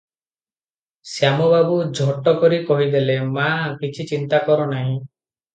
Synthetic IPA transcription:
sjamɔbabud͡ʒʱɔʈɔkɔɾikɔɦid̪elemakit͡ʃʰit͡ʃint̪akɔɾɔnaɦĩ

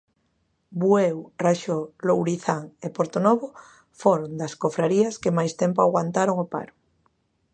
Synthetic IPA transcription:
bwewraʃolowɾiθaŋepoɾt̪onoβo | foɾond̪ɐskofɾaɾiɐskemajst̪empoaɣwant̪aɾoŋopa̰ɾʊ̥

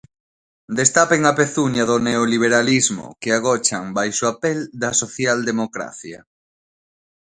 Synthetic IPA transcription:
d̪est̪apeŋapeθuɲaðoneoliβ̞eɾalizmo̰keaɣ̞ɔt͡ʃaŋbajsoapeld̪ɐsoθjald̪emokɾa̰θja̰

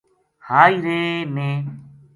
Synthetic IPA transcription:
haːiːɾeːneː

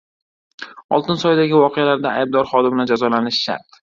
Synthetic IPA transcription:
ɒ̰lˠt̪ɪnsɒjd̪aɡʲɪvɒqʰealaɾd̪aajb̚d̪ɒɾχɒd̪ɪmnɪd͡ʒazɒlanɪʃːa̰ɾt̪

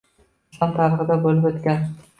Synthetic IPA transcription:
ɪslˠɒnt̪ʰaɾɨʁɨd̪abolɪpot̪kʲan

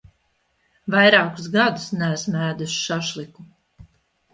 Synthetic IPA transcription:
vajɾaːkusɡad̪usnæsmæːd̪usʃaʃlˠiku

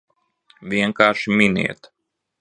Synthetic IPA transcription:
vʲiɛŋkaːʃiminʲḭɛt̪

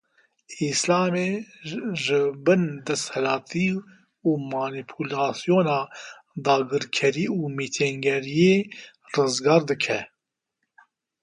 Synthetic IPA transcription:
islɑːme | ʒɨbɨnd̪ɛst̪hɛlɑːt̪ʰiː | uːmaːnipʰulɑːsijoːnɑː | d̪ɑːɡɨɾkʰɛɾiːuːmit̪ʰɛŋɡɛɾijeː | rɨzɡɑːɾd̪ɨkʰɛ

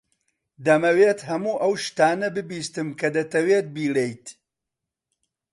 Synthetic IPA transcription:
d̪ɐmɐweːt̪hɐmuːʔɐwʃt̪aːnɐbɨbiːst̪ɨmkʰɐd̪ɐt̪ʰɐweːt̪̚biːlejt̪

